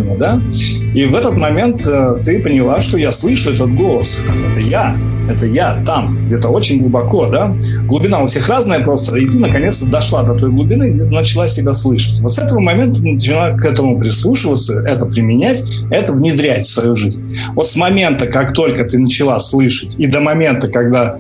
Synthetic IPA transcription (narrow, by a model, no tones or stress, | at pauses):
nʲəd̪a | ivɛt̪ət̪mɐmʲe̞nt̪ət̪ɨpənʲɪlˠaʂt̪ojaslˠɨʂʊɛt̪ət̪̚ɡo̞lˠəsamɛt̪əja | ɛt̪əjat̪am | ɡdʲet̪əo̞t͡ɕɪnʲɡlˠʊbɐko̞d̪a | ɡlˠʊbʲɪnaʊfsʲexraznəjəpɾo̞st̪əɪt̪ʲɨnəkɐnʲe̞t̪st̪əd̪ɐʂlˠad̪ɐt̪o̞jɡlˠʊbʲɪnɨɡʲet̪nət͡ɕɪlˠasʲɪbʲaslˠɨʂə̥tʲvot̪sɛt̪əvəmɐmʲe̞nt̪ənət͡ɕɪnˠakɛt̪əmʊpɾʲɪslˠuʂɨvət̪səɛt̪əpɾʲɪmʲɪnʲætʲ | ɛt̪əvnʲɪd̪ɾʲætʲfsvɐjuʐɨzʲnʲ | vo̞t̪smɐmʲe̞nt̪əkakt̪o̞lʲkət̪ɨnət͡ɕɪlˠaslˠɨʂətʲid̪əmɐmʲe̞nt̪əkɐɡd̪a